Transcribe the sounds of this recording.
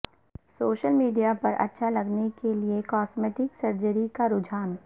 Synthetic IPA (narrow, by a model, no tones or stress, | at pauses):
soːʃəlmiːɖijapɐɾʔɐ̰tːʃʰalɐɡnekeliekɔːsmeːʈɪksɐɾd͡ʒəɾikaɾʊd͡ʒʱaːn